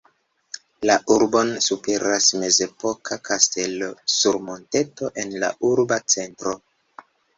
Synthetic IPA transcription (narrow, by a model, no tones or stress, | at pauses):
laʔuɾbo̞nsupe̞ɾasme̞ze̞po̞kʰakʰaste̞lo̞suɾmo̞nte̞to̞ʔe̞nla̰ʔuɾbat͡se̞ntɾo̞